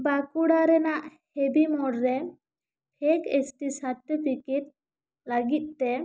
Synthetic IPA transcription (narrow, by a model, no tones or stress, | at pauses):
bakuɽaɾɛnaʔhebimɔɽɾɛ | pʰekesʈisaʈ̪ːipikiʈ̚ | ləɡit̪̚ˀt̪ɛ